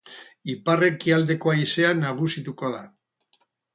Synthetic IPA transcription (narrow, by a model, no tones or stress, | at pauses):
ipare̞kiald̪e̞ko̞ajse̞anaɣ̞usit̪uko̞ða